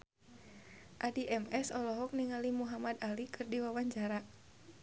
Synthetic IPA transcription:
ʔadiʔɛmɛsɔlɔɦɔk̚niŋalimuɦamad̪alikʰɨrdiwawaɲd͡ʒaɾa

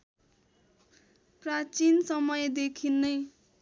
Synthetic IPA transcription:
prat͡sinsʌmʌjed̪ekʰinːʌj

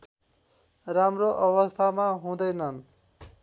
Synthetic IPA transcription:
ramroʔʌβʌst̪ʰamaɦũd̪ʌjnʌn

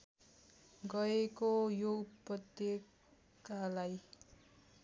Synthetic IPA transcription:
ɡʌekojoupʌt̪je | kalaj

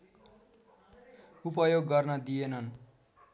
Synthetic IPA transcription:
upʌjoɡːʌrnʌd̪ienʌn

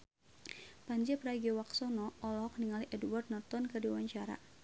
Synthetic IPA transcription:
paɲd͡ʒɛpɾaɡɛwaksɔnɔɔlɔhɔk̚niŋaliʔɛdwart̪̚nɔrt̪ɔnkɨrdiwaɲt͡ʃaɾa̰

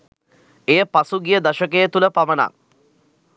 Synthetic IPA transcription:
ejəpasuɡijəd̪aʃəkejət̪uləpaməna̰

